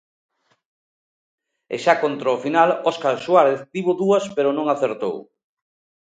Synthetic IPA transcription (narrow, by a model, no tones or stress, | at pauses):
ḛʃakont̪ɾaofinalɔskaɾswaɾeθd̪iβʊðuɐspeɾonõŋaθeɾt̪o̰w